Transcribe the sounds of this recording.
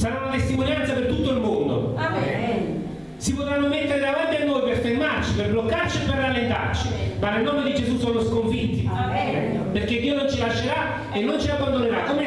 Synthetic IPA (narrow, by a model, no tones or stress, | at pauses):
saɾaunat̪est̪imonjant̪sapert̪ut̪ːoilmond̪o̰ | sipot̪ɾanːomet̪ːeɾed̪avant̪ianːojperfermart͡ʃiperblokːart͡ʃiepːerːalːent̪a̰rt͡ʃimanelnɔːmed̪id͡ʒezusonoskoɱfit̪ːi | perk̟ed̪ːiːonont͡ʃilaʃːeɾa | enːont͡ʃiabːand̪oneɾa